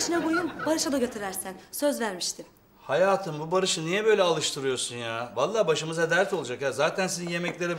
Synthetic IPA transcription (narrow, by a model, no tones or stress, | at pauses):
ʃinabojunbaɾɯʃad̪aɟet̪ʰiɾæɾsænsøzvæɾmiʃt̪ʰim | hajaːt̪ʰɯmbubaɾɯʃɯnijɛbø̞jlʲɛalˠɯʃt̪ʰɯɾɯjo̞sunjaːvalˠːaːbaʃɯmɯzad̪æɾɛt̪o̞lˠud͡ʒakjaːzaːt̪ʰænsininje̞mɛclʲe̞ɾi